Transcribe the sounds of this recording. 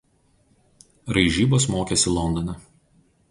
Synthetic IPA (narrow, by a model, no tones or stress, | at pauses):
ɾɐɪʒʲiːboːsmoːkʲesʲɪlˠɔnd̪ɔnʲɛ